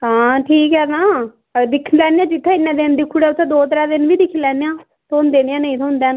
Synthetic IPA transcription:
ɦãːʈʰiːkɦɛːnãː | d̪ɪkʰːnlɛːneãːd͡ʒɪt̪ʰːẽːɪnːɛ̃ːd̪eːnd̪iːkʰʊɽɛːʊt̪ʰːẽːd̪oːt̪əɾaːd̪ɪnʋiːd̪ɪkʰːlɛːnejãː | t̪ʰoːnd̪eːnɪjãːnəĩːt̪ʰoːnd̪eːn

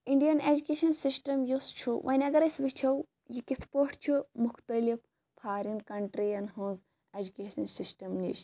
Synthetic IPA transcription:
iɳɖijɐned͡ʒukeːʃɐnsisʈɐmjust͡ʃʰuʋʔɐ̰nʲɐɡɐɾɐsʋit͡ʃʰɐw | jikit̪ʰpoʈʰt͡ʃʰumʊkʰt̪əlif | pʰaːɾinkɐɳʈɾijɐnɦũːz | ed͡ʒukeːʃɐnsisʈɐmnḭt͡ʃ

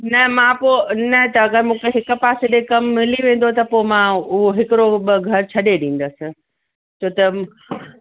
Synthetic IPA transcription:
nɐɦmãpoːnɐt̪ɐɐɡəɾmũːkʰeɦɪkʊ̆paːseɗẽkɐmːɪliʋẽːn̆d̪ot̪ɐpoːmãʊɦoɦɪkɪɾoɡʱɐɾt͡ɕʰɐɗeɗĩːn̆d̪əsɪ̆ | t͡ɕʰoːt̪ɐ

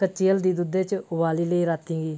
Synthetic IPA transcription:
kət͡ʃːiːəld̪iːd̪ud̪eːt͡ʃʊbaːliːləiːɾaːt̪ĩːɡiː

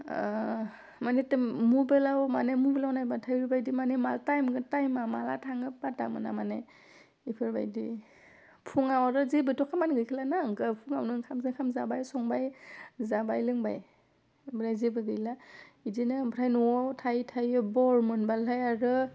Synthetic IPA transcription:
manetɯmubelawmanemubelawnajbatʰajɾbajdimanemaltajmɡɯtajmamalatʰaŋɯpata̰mɯ̰na̰mane | ipʰɯɾba̰jdi | pʰuŋawaɾɯzebɯtʰɔkʰamanɡɯjkʰilanaɯŋɡɯpʰuŋawnɯnkʰamzɯkʰamzabajsɔŋbajzabajlɯŋba̰j | bɯnajzibɯɡɯjlaidinɯpʰɾʰajnɔɔwtʰajtʰajɯbɔɹmɯnbalajaɾɯ

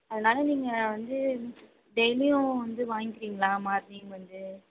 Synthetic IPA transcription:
ɐðɐnaːlɐniːŋɡɐʋɐnd̪ɯ | ɖɛjlɪjʊ̃ʋɐnd̪ɯʋaːŋɪkɪɾiːŋɡɐlãːmaːɾnijʊ̃ʋɐnd̪ɯ

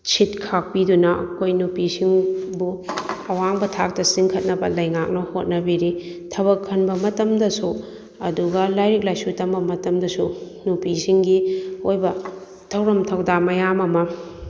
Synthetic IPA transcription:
t͡ʃʰit̚kʰak̚pidunɐɐ̰kʰojnupisiŋbuɐwaŋbɐtʰak̚tɐsiŋkʰɐt̚nɐbɐlɐjŋak̚nɐhot̚nɐbiɾi | tʰɐβɐkʰːɐnbɐmɐtɐmdɐsu | ɐduɡɐlajɾik̚lajsutɐmbɐmɐtɐmdɐsu | nupisiŋɡiojbɐ | tʰɐwɾɐmtʰɐwdamɐjamɐmɐ

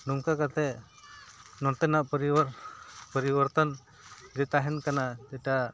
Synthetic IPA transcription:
nuŋkakat̪ɛʔ | nɔnt̪ɛnaʔpɔɾi | pəɾibəɾt̪an | d͡ʒɛt̪aɦɛnkanad͡ʒɛʈa

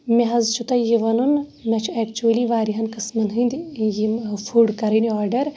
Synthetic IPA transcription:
mʲeɦɐzt͡ʃʰut̪ɐjiʋɐnunmʲɐt͡ʃʰueːkt͡ʃuɐliʋaːɾiɦɐnkɨsmɐnɦɨnd̪ijifʰuːɖkɐɾɐniɔːɾɖɐɾ

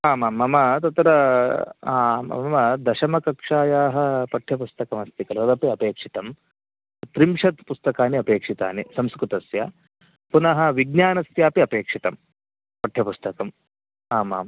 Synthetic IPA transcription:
aːmaːmɐmɐt̪ɐt̪ɾɐ | aːɐ̰ɐmɐd̪ɐʃɐmɐkɐkʂaːjaːɦɐ̆pɐʈʰjɐpust̪ɐkɐmɐst̪ikɐlʋɐd̪ɐpiɐpeːkʂit̪ɐm | t̪ɾimʂɐt̪pust̪ɐkaːniɐpeːkʂit̪a̰ːnisɐmskɾut̪ɐsjɐ̰ | ppunɐɦɐʋiɡ̚ɲaːnɐsjaːpiɐpeːkʂit̪ɐm | pɐʈʰjɐpust̪ɐkɐm | aːmaːm

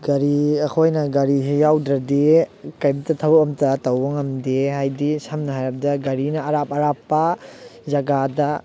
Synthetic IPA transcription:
ɡɐɾiɐkʰojnɐɡɐɾiɦejawdɾɐdekɐjbitɐtʰɐwpɐmtɐtɐwɐŋɐmdehajdisɐmnɐɦajɾɐp̚dɐɡɐɾinɐːɾapɐɾapːɐzɐɡadɐ

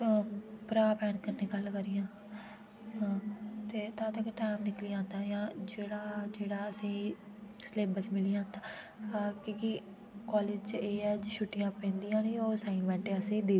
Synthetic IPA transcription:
pəɾaːpɛːnkəɾneːɡəlkəɾijãː | ɦãːt̪eːt̪ãːt̪əkʈaːɪmnɪklijãːnt̪ãːjãːd͡ʒeːɽaːd͡ʒeːɽaːəsẽːi | sleːbəsmɪlijãːnt̪ãː | ɦaːkõːki | kaːleːd͡ʒt͡ʃeːɛːd͡ʒiʃuʈːɪjãːpɛ̃ːnd̪ijãːniːoːsaːɪnʋɛ̃ːɳʈeəsẽːd̪eː

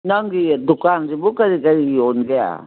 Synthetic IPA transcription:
naŋɡid̪ukanzibukaɾikaɾionɡea̰

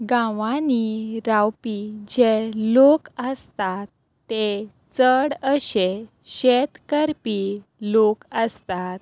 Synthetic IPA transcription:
ɡãʋãniɾawpid͡ʑelokəst̪at̪ː | e | t͡səɽəɕe | ɕet̪kəɾpilokəst̪at̪̚

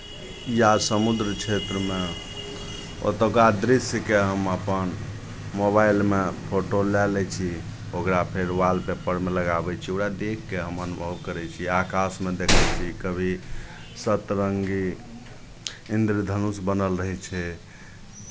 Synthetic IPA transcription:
jasəmud̪ɾt͡ʃʰet̪ɾəme | o̰t̪əkɾad̪ɾisjkeɦəməpən | mobailmepʰoʈolɛlɛt͡ʃʰi | okɾapʰeɾʋalpepəɾmeləɡabɛt͡ʃʰioɾad̪ekʰːeɦəmənubʱəbkəɾɛt͡ʃʰiakasmed̪ekʰət͡ʃʰikəbʱi | sət̪ɾəŋɡi | ind̪ɾid̪ʱənusbənəlɾəɦɛt͡ʃʰɛ

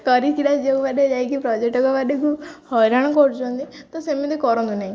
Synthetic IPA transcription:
kəɾit̪iɽad͡ʒeubaɖed͡ʒajkipɾɔd͡ʒek̚ʈɔkɔbaɖekuhɔɾaɽ̃kɔɾd͡ʒɔ̃nd̪it̪ɔsemit̪ikɔɾɔ̃nd̪unaɦĩ

